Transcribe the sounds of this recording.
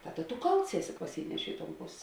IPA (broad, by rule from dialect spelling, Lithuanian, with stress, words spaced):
ˈtɑːˌdɐ tʊ ˈkɐlˠts ˈæːˌsʲɪ pɐˈsʲiːnʲɛʃʲeː ɪ toːn ˈpoːsʲ